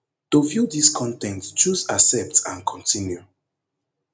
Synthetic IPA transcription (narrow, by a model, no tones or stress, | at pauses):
tovjudiskʰɔ̃ntɛ̃ntt͡ʃuzasɛp̚tãnkʰɔ̃ntĩnju